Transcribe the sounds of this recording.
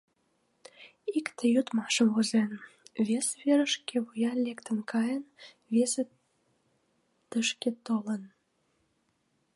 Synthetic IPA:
ikt̪ʰəjut̪mɑʃə̆mvuzenβesβeɾəʃkeβujɑnlekt̪ə̆nkɑjən | βese | t̪əʃket̪olən

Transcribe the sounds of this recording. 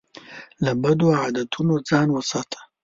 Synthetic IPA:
labad̪oad̪at̪ʰunod͡zɑːnwəsɑːt̪ʰḁ

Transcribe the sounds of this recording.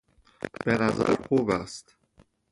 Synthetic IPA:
b̥e̞næzæ̰ɾxubæst̪

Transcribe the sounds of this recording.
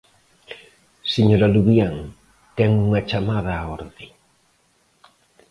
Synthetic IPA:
seɲoɾaluβjaŋ | t̪ɛŋuŋat͡ʃamaðaːoɾði

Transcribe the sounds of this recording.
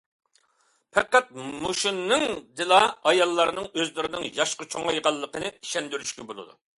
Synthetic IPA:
pʰɛqːæt̪̚moʃinːɨŋd̪ɨlˠɑɑjɑlˠːɑɾnɨŋøzlɪɾɪnɪŋjɑʃqət͡ʃʰoŋɑjʁɑlˠːəqənɨiʃɛnd̪yɾyʃkʲɛbolˠɨ̰d̪u

